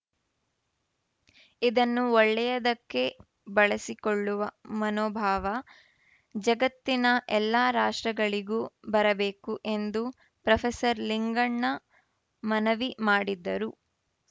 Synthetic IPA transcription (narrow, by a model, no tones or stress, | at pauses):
id̪ɐnːuɔɭːɛjɐd̪ɐkːe̞ | bɐɭɐsikoɭːuʋɐmɐnoːbʱaːʋɐ | d͡ʒɐɡɐt̪ːinɐʔɛlːaːɾaːʂʈɾɐɡɐɭiɡuːbɐɾɐbe̞ːkuʔe̞nd̪u | pɾɐfʰesɐɾliŋɡɐɳːɐ | mɐnɐʋimaːɽid̪ːɐɾu